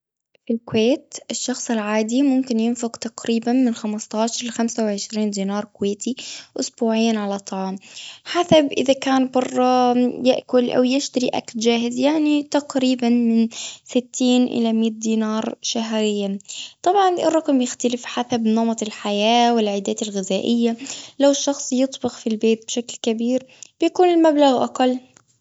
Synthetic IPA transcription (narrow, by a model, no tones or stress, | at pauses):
filkweːt̪ʔɪʃːɑxsˤɪlʕaːd̪imʊmkɪnjɪnfʊqt̪aqɾiːbanmɪnxamɑst̪ˤɑːʃɑɾˤxamsawʕɪʃɾiːnd̪iːnɑːɾˤkʊweːt̪iʔʊsbuːʕɪjːanʕalat̪ˤːɑʕɑːmħaθabʔɪðakaːnbɑrˤːɑjɪʔkʊlʔa̰wjɪʃt̪aɾiʔa̰kld͡ʒaːhɪzjaʕnit̪aqɾiːbanmɪnsɪt̪ʰːiːnʔɪ̰lamiːt̪̚d̪iːnɑːɾˤʃaɦɾɪjːat̪ˤɑbʕɑnɪ̰rˤːɑqmbjɪxt̪alɪfħaθabnɑmɑt̪ˤɪlħajaːwɪlʕaːd̪aːt̪ɪlɣɪzaːʔɪjːalawɪʃːɑxsˤjɨt̪ˤbɪqfilbeːt̪̚bʃaklkabiːɾb̥jakuːnɪlmablaɣʔa̰qɑlː